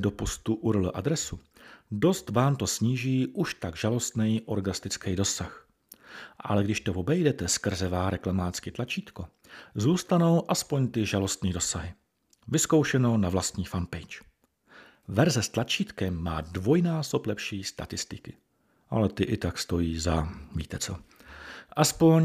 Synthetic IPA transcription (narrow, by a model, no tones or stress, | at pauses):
do̞po̞st̪uʔuɾol̰ʔa̰d̪ɾɛsu | do̞st̪vaːmt̪o̞sɲiːʒiːʔuʃt̪aɡʒalo̞st̪nɛjʔo̞ɾɡast̪ɪt͡skɛjdo̞sax | ʔa̰lɛɡdɪʃt̪ovo̞bɛjdɛt̪ɛskr̩zɛvaːɾɛklamaːt͡skɪt̪lat͡ʃiːt̪ko | zuːst̪ano̞wʔaspo̞ɲt̪ɪʒalo̞st̪niːdo̞saɦɪ | vɪsko̞wʃɛno̞wnavlast̪ɲiːfampɛjt͡ʃ | vɛɾzɛst̪lat͡ʃiːt̪kɛmːa̰ːdvo̞jnaːsoplɛpʃiːst̪a̰t̪ɪst̪ɪkɪ | ʔalɛt̪ɪʔɪt̪akst̪o̞jiːzavḭːt̪ɛt͡so̰ | ʔaspo̞ɲ